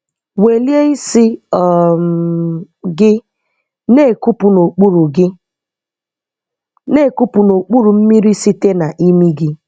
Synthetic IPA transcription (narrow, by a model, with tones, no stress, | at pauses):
we˨lje˦i˦sɪ˦ɔ˨m | ɡɪ˦ | ne˦˨ku˦pu˨no˨k͡pu˦ɾu˨ɡɪ˦ | ne˦˨ku˦pu˨no˨k͡pu˦ɾu˨m̩˦mi˦ɾi˦si˦te˦na˨ʔi˦mi˦ɡɪ˦